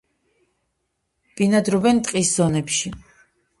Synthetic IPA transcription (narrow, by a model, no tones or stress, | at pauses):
b̥inad̪ɾɔbɛnt̪ʼqʼiszɔnɛpʃi